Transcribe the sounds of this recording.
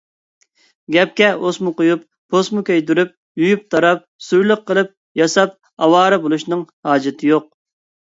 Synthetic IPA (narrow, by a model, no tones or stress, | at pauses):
ɡʲɛp̚kʲɛosmʊqojupːʰosmukʲʰøjd̪yɾyp̚ | jujyp̚t̪ʰɑɾɑp̚sujlˠəqʰːəlˠɨp̚ | jɑsɑp̚ | ɑwɑːɾɨbolˠuʃnɨŋhɑːd͡ʒɪt̪ʰɨjoq̚